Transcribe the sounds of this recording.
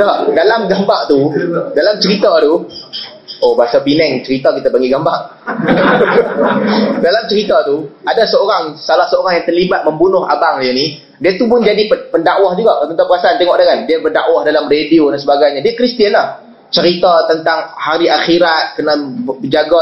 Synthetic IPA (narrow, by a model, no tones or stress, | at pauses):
dadalamɡambaʔt̪udalamt͡ʃəɾit̪at̪u | obaasawpinɛŋt͡ʃəɾit̪akit̪abaŋɡiɡambaʔ | dalamt͡ʃəɾit̪at̪uadasəoɾaŋsalahsəoɾaŋjaŋt̪ərlibat̪̚məmbunʊɦa̰baŋjani | diat̪upʊnd͡ʒadipəpəndaʔwahd͡ʒuɡaʔt̪ənapəɾasaant̪ɛŋɔʔdakandiabərdaʔwahdalamrediodansəbaɡajɲadiakɾist̪iənlah | t͡ʃəɾit̪at̪ənt̪aŋhaɾiʔaxiɾat̪̚kənabəd͡ʒaɡa